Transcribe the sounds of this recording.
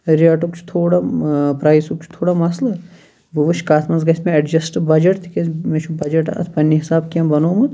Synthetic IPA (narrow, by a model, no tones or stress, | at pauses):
ɾiaʈukt͡ʃʰu̥t̪ʰoːɽapɾaːjsuk̚t͡ʃʰu̥t̪ʰoːɽamɐslɐ | buʋuʃkaːt̪mɐnzɡɐsʲmẽɐɖd͡ʒɐsʈbɐd͡ʒɐʈt̪ʰi̥kʲemet͡ʃʰubɐd͡ʒɐʈt̪pɐnːiɦisaːbkiɐ̃mbɐnoːmɨ